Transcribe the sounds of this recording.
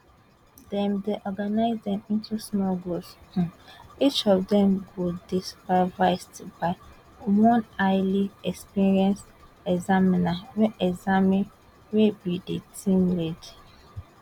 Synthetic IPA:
dɛ̃mdeʔɔɡanaɪzdɛ̃mĩntʰusmɔɡos̩ | it͡ʃɔvdɛ̃mɡodispavaɪstbaɪ | wɔ̃naɪliɛkspiɹiɛ̃ns | ɛɡzaminawɛʔɛɡzamĩn | webidetʰĩmlɛd

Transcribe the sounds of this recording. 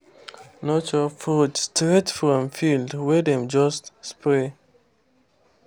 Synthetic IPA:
nɔt͡ʃɔfutstɹetfɹɔ̃mfildwɛdɛ̃md͡ʒɔstspɹe

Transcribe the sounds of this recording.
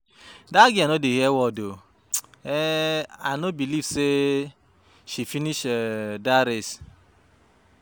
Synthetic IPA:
daɡɪanodeɦɛwɔdo | ɛanobilivse | ʃifiniʃdaɾes

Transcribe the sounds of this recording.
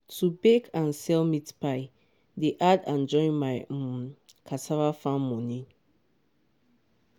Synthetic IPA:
tʰubekʰãnsɛlmitpaɪ | deʔadãnd͡ʒɔ̃ɪ̃nmaj | kʰatʰavafãnmɔ̃nĩ

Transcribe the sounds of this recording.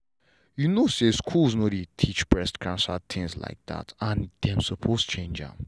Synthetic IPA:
junoseskʰulˠznoɾitʰit͡ʃpʰɹɛstkʰɹãnsad̚t̪ʰɪ̃ŋzla̰ɪk̚d̪a̰tãndɛ̃msəpʰost͡ʃʰẽnd͡ʒã̰m

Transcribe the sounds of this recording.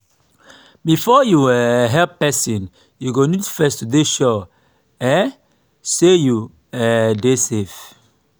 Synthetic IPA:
bifɔjuɛɦɛlppɛsĩn | juɡonitfɛstudeʃɔ | ɛ | seju | ɛdesef

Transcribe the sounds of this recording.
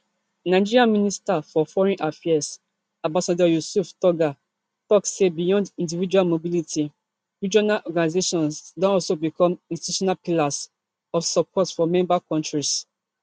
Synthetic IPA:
naɪd͡ʒiɹiãmĩnistafɔfɔɹɛ̃nʔafɛas | ãbasadɔjusuftɔɡa | tɔksebijɔ̃ndĩndivid͡ʒualmobilitʰi | ɹid͡ʒɔnalʔɔɡanizeʃɔ̃nsdɔ̃nɔlsobikʰɔ̃mĩnsti̥tu̥ʃɔnalpilas | ɔfsɔpʰɔtfɔmɛ̃mbakɔ̃ntɹis

